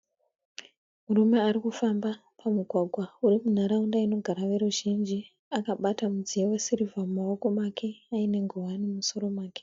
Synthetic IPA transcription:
murume̞aɾikufambapamuɡʱwaɡʱwaurimun̤aɾaundaino̞ɡʱaɾaʋe̞ɾuʒind͡ʒi | akaɓatamud͡zijewesiɾivamao̞ko̞makʰe̞aine̞ŋɡʱowanimuso̞ɾo̞mwaːke̥

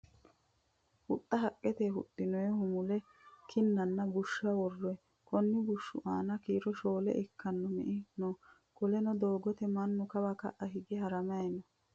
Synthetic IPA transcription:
hʊt̪ʼːɐɦɐkʼːɛt̪eːhʊ̰t̪ʼːɪnɔjɛhʊmʊlɛ | kʰɪnːɐnːɐbʊʃːɐwɔrːɔj | kɔnːɪbʊʃːʊʔaːnɐkiːɾɔʃo̞ːlɛ̰ʔɪkːɐnːɔmɛ̰ʔɪnɔ | kɔlɛnɔd̪oːɡɔt̪ɛmɐnːʊkɐbɐkɐ̰ʔɐɦɪɡɛɦɐɾɐmɐjnɔ

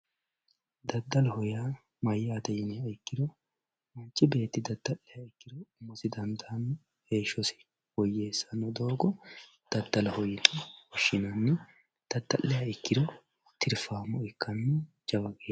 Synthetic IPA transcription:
d̪ɐd̪ːɐlɐhɔjaː | mɐjːaːd̪ɐjɪnɛjɐɪkːɪd̪ɔ | mɐnt͡ʃʼːɪbe̞ːt̪ːɪd̪ɐd̪ːɐlːɛjaɪkːɪd̪ɔʊmːɔsɪd̪ɐnd̪aːnɔ | heːʃːɔsɪ̥ | wɔjːeːsːɐnɔd̪o̞ːɡɔ | d̪̥ɐd̪ːɐlɐhɔjɪt̪ʼɐwɔʃːɪnɐnːɛ | d̪̥ɐd̪ːɐʔːɛjaɪkːɪd̪ɔ | t̪ʰɪɾfaːmɔɪkːɐnːɛ | d͡ʒɐbɐkʼeː

